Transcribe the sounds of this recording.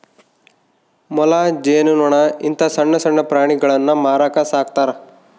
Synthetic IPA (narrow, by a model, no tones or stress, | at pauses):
mɔlad͡ʒeːnunoɳaint̪ɐsɐɳːɐsɐɳːɐpɾaːɽ̃iɡɐɭɐnːɐmaːɾaːkasaːk̚t̪aːɾ